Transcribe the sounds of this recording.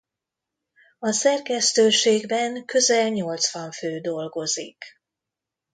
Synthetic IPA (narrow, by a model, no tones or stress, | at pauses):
ɒsɛrkɛst̪øːʃeːɡbɛŋkø̞zɛlɲo̞lt̪sʋɒɱføːd̪o̞lɡo̞zik